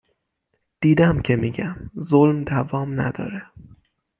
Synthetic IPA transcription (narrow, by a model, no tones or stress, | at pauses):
d̪̥iːd̪æmcʰe̞miːɟæmzolmd̪ævɒːmnæ̰d̪ɒ̰ːɾe